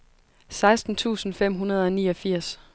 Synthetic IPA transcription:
sɑ̈ɪsd̥n̩t͡sʰṵːsn̩fem̰ɦunɐð̞ˠɒ̽niːɒ̽fiɐ̰s

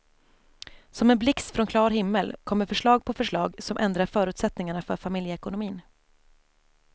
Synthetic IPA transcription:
sɔmɛnblɪksfɾɔnkʰlɑːɾɦɪmːəlkʰɔmːəɾfœʂɭɑːɡ̚pʰɔfœʂɭɑːɡsɔmʔɛnd̪ɾaɾfœːɾʉ̟ːt̪sɛt̪nɪŋaɳafœɾfamɪljəɛkʊnʊmiːn

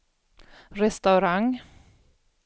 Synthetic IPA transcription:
ɾɛst̪ɑʉɾaŋ

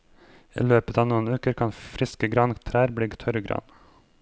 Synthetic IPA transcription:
ḭːløːpət̪ɑːʋnuːənʉːkəɾkʰɑnfɾɪskəɡɾɑnkt̪ʰɾæːɾblɽɪːɡt̪ʰœɾəɡɾɑ̰n

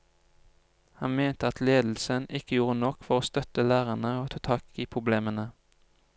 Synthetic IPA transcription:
hɑnmeːnt̪əɑt̪leːd̪l̩sənʔɪkəjuːʁənɔkfɔʁoːst̪œt̪əlæːʁənəoːt̪ʰɑːt̪ʰɑːkiːpʰʁʊbleːmənə

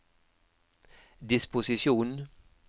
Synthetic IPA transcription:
d̪ɪspʊsɪʂuːn

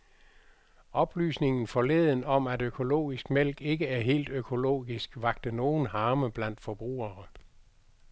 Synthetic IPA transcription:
ɒ̽b̥ly̰ːsne̝ŋn̩fɒ̽leðˠn̩ɒ̽mædøkʰo̝lo̝̰ːisɡ̥mel̰ɡ̥e̝ɡ̥əæɐɦe̝̰ːld̥økʰo̝lo̝̰ːɡisɡ̥ʋɑ̈ɡ̥̚d̥əno̝ːn̩ɦɑ̈ːməb̥læn̰d̥fɒ̽b̥ʁṵːɐ

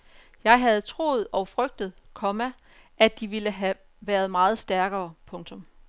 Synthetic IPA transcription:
jɑ̈ɪɦæð̞̩ˠt͡sʰʁo̝̰ːð̩ˠɒ̽ʊfʁœɡ̥̚d̥ð̞̩ˠkʰɒ̽mæ | ʔæd̥iʋiləɦæ | ʋæːɐð̞ˠmɑ̈ːð̞̩ˠsd̥æɐɡ̥ɐːpʰɔ̽ŋt͡sʰɔ̽m

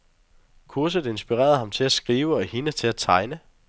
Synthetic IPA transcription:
kʰuɐs̬əð̩ˠe̝nsb̥iʁɛ̰ːɐð̩ˠhɑ̈mt͡sʰe̝læsɡ̥ʁiːʊəɒhinət͡sʰe̝æt͡sʰɑ̈ɪnə

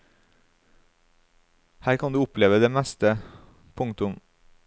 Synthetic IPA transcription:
hæːɾkʰɑnd̪ʉːʊpleːʋəd̪eːmæst̪ə | pʰʊŋt̪ʊm

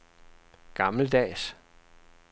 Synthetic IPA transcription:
ɡ̥ɑ̈mləd̥ɛ̰ːs

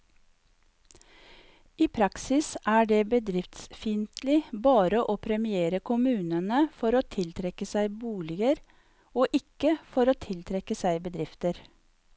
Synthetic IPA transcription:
iːpʰɾɑksɪsʔæːɖeːbəd̪ɾɪft̪sfɪnt̪lɪbɑːɾəʔoːpʰɾɛmɪeːɾəkʰʊmʉːnənəfɔɾoːt̪ʰɪlt̪ʰɾɛkəsæɪbuːlɪɡəɾ | oːʔɪkəfɔɾoːt̪ʰɪlt̪ʰɾɛkəsæɪbəd̪ɾɪft̪əɾ

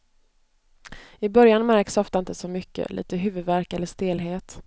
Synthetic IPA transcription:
ɪbœɾjanmæɾksɔft̪aɪnt̪əsɔmʏkːə̰lḭːt̪əɦʉ̟ːvɵd̪væɾkɛlːəʂt̪eːlɦeːt̪

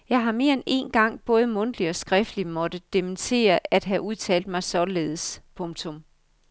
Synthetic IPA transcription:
jɑ̈ɪɦɑ̈me̝ɐene̝̰ːnɡ̥ɑ̈ŋ̰b̥ɔ̽ːð̞ˠəmɔ̽nd̥əliɒ̽sɡ̥ʁɛfd̥limɒ̽d̥əd̥emənt͡sʰe̝̰ːɐæd̥ɦæʔuð̞ˠt͡sʰɛ̰ːld̥̚mɑ̈ɪsɒ̽le̝ːð̞̩ˠəspʰɔ̽ŋt͡sʰɔ̽m

